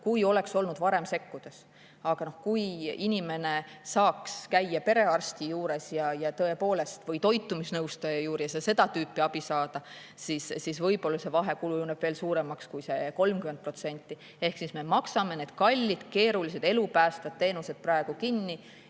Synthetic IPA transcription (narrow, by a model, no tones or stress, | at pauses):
kujo̞le̞kso̞lnud̪vɑɾe̞mse̞kːud̪̥es | ɑɡ̥ɑno̞hkujinʲime̞ne̞sɑːkskæjːɑpe̞ɾe̞ɑrst̪ijuːɾe̞sjɑjɑt̪ɤ̞e̞po̞ːle̞st̪vɤjt̪o̞jt̪ːˑumisnɤwst̪ɑjɑjuːɾijɑsese̞d̪̥ɑt̪yːpːˑiɑb̥isɑːd̪̥ɑ | sisːisvɤ̞jbo̞lːɑse̞vɑɦe̞kulujuneb̥veːlsuːɾe̞mɑkskujse̞ko̞lmkymend̪̚pro̞t̪se̞nʲt̪ːˑi | e̞hksisme̞mɑksɑme̞ne̞d̪̥kɑlʲːid̪̥ke̞ːɾulise̞d̪e̞lupæːst̪ɑd̪̥̚t̪ːe̞ːnuse̞d̪̥̚prɑeɡ̥ukinːi